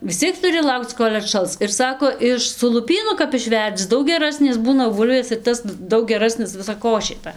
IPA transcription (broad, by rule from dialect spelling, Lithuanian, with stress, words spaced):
ʋʲɪs ˈt͡sʲiɛk tʊˈrʲɪ ˈlˠɐʊkt͡s ˈkoːlʲ ɐtˈʃɐlˠs ɪr ˈsɑːkoː ˈɪʃ sʊ lˠʊˈpʲiːnʊ kɐp ɪʃʲˈʋʲɛrʲd͡zʲɪ ˈdɐʊk ɡʲɛˈrɑːsʲnʲeːs ˈbuːnɐ ˈbuːlʲʋʲeːs ɪr ˈtɐs ˈdɐʊk ɡʲɛˈrɑːsʲnʲɪs ˌʋʲɪsɐ ˈkoːʃʲeː ˈtɐ